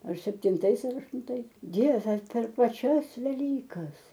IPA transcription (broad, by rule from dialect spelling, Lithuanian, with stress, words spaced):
ɐr sʲɛpʲtʲɪnˈtɐɪs ɐr ɐʃtʊnˈtɐɪs ˈdʲiɛʋʲɛ pʲɛr pɐˈt͡ʃʲɛs ʋʲɛˈlʲiːkɐs